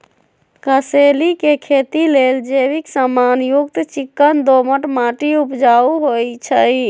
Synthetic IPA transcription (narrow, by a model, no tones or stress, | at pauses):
kəselikekʰet̪ileld͡ʒebiksəmanjuɡt̪t͡ʃikːənd̪oməʈmaʈiupd͡ʒauɦojt͡ʃʰəj